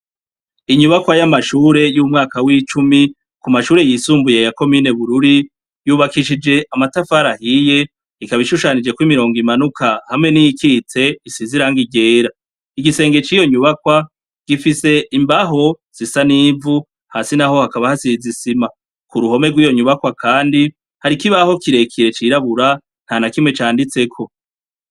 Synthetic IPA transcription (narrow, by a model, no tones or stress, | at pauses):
iɲuβakwajamaʃuːɾe̞juːmŋaːkawit͡ʃumi | kumaʃuːɾe̞jiːsuːmbuje̞jako̞miːne̞βuɾuɾi | juːβakiʃid͡ʒe̞ʔamatafaɾahije̞ | ikaβiʃuʃanid͡ʒe̞kwimiɾo̞ːŋɡimanukʰahamŋe̞nijikiːtʰe̞isiziɾaŋɡiɟe̞ːɾa | iɡise̞ːŋɡe̞t͡ʃiːjo̞ɲuβakwa | ɡ̥ifise̞imbaɦo̞ | z̥isaniːvu | hasinaho̞hakaβahasizisima | kuɾuho̞me̞ɡwiːjo̞ɲuβakwakʰaːndi | haɾikiβaho̞kiɾe̞kʰiɾe̞t͡ʃiɾaβuɾa | n̥hanakimŋe̞t͡ʃaːndit͡se̞kʰo̞